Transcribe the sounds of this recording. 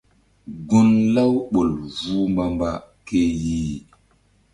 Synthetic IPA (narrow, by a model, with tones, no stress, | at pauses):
ɡu˦nla˦wɓo˨lvu˦mba˦mba˦ | ke˦ji˦